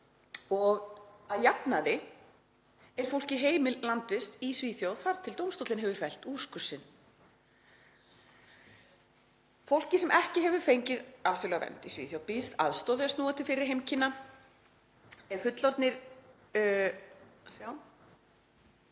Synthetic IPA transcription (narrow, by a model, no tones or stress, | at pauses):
ɔɣaðjapnaðɪ | ɛɾ̥fowl̥cɪɦeːjmɪlant̪ɪst̪isviːθjowθaɾt̪ʰɪlt̪owmst̪owt̪lɪnɦɛvʏɾ̥fɛl̥t̪uːskʏsːɪn | fowl̥cɪsɛmʔɛhcɪɦɛvʏɾ̥fejɲcɪðaɾʏɾlɛɣavɛ̰nt̪isvḭθjowpist̪a̰ðst̪ɔːðɪasnuːat̪ʰɪlfɪɾːɪɾ̥ɦejmcʰɪnːa | ɛ̥fʏt̪lɔɾt̪nɪɾ | sjaw